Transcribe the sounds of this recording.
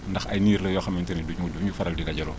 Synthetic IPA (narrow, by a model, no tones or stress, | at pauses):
ndɐxɐjniːɾlɐjɔxɐmɛntɛniduɲuduɲufɐɾɐldidɐɟɐɾɔː